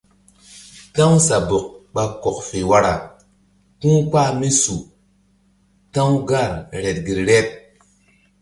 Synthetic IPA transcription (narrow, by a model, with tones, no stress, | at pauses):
ta˦ŋsa˨bo˨k̚ɓa˨ko˨kfe˨wa˦ɾa˨ | kũ˦k͡pa˦mi˦su˨ | ta˦ŋɡa˦˨ɾɾe˨t̚ɡi˨ɾɾe˦t̚